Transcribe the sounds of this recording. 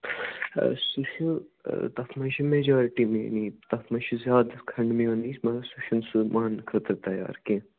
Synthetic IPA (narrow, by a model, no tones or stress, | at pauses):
suʃut̪ɐfmɐnʃimed͡ʒaːɾʈimḛ̃nit̪ɐfʰmɐʃʰizjaːd̪kʰɐɳɖmĩoːnismɐsuʃunsumaːnkʰɐt̪ɾt̪ɐja̰ːɾkẽ